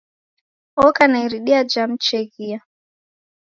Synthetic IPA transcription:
ɔkanaiɾiɗiad͡ʒam̩t͡ʃɛɣia

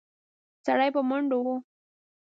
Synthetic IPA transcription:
saɽajpəmaɳɖowo

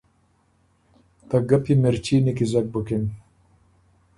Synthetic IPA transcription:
t̪ɐɡɐpimeɾt͡ʃiːnikizɐk̚bəkin

